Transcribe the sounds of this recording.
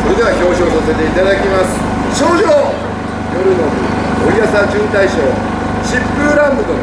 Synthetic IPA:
soɾed̪e̞βaço̞ːɕioːsase̞t̪e̞it̪ad̪akʲimasɨ̥ | ɕo̞ːʑoː | jo̞ɾɯ̟nomi | oijasad͡ʑɨ̃nt̪aiɕo̞ː | ɕipːɯ̟ɾãmbɯ̟d̪o

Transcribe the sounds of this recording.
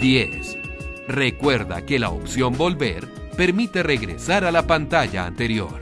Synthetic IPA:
d̪jesre̞kwe̞ɾða̰ke̞la̰o̰psjo̞mbo̞lbe̞̰ɾ | pe̞ɾmit̪e̞re̞ɣɾe̞̰saɾalapant̪aʝa̰ːnt̪e̞ɾjo̞̰ɾ

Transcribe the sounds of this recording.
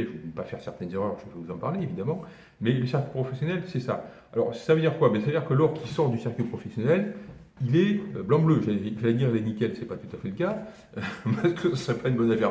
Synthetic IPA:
ʒəepafɛʁsɛʁt̪ɛnzeʁœʁʒəvɛvuzɑ̃paʁleevid̪amɑ̃ | mɛləsiʁkʲɥipχɔfɛsjɔnɛlsɛsa̰ | alɔ̰ʁsavød̪iʁkwabjɛ̃savəd̪iʁkəlɔʁkʰʲisɔʁd̪ysiʁkipχɔfɛsjɔnɛl | ilɛøblɑ̃bløʒaiʒaled̪iʁelɛnikʲɛlsɛpat̪ut̪afɛləka | øpaskəsəsχɛpaynbɔnafɛʁ

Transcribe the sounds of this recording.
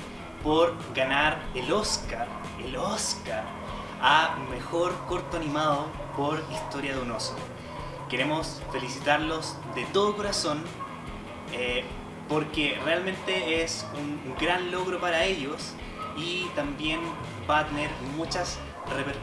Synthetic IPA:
poɾ | ɡanaɾelo̞skaɾ | eloskaɾ | ame̞xoɾko̞ɾt̪oanimaðo | po̞ɾist̪o̞ɾjaðunoso̰ | ke̞ɾe̞mo̞s | fe̞lisit̪aɾlo̞s | d̪et̪o̞ð̞oko̞ɾason | e | poɾkerealmẽ̞nt̪e̞esuŋɡɾanlo̞ɣɾopaɾae̞ʎo̞s | it̪ambje̞n | bat̪e̞ne̞ɾmut͡ʃas | repeɾ

